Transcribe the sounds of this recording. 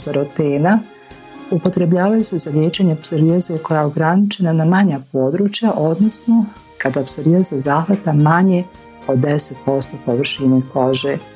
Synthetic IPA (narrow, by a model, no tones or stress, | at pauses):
zaɾot̪eːna | upo̞t̪ɾe̞bʎaːʋajuse̞zaljeːt͡ɕaɲepseɾiozeko̞jajeo̞ɡɾanit͡ʃe̞nanamaɲapo̞ːd̪ɾuːt͡ʃjaʔo̞d̪nosno̞ | kad̪apseɾiozazaːxʋat̪amaɲe̞ | o̞d̪ːeset̪̚po̞st̪o̞poʋr̩ʃinuko̞ʒe